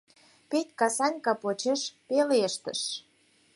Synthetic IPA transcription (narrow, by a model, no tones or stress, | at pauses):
pet̪ʲkɑsɑnʲkɑpot͡ɕeʃpeleʃt̪ə̰̆ʃ